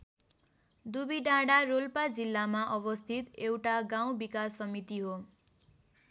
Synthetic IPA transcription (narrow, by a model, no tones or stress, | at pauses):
d̪ubiɖãɽaɾolpad͡zilːamaʔʌbʌst̪ʰit̪ewʈaɡaw̃bikasːʌmit̪iɦo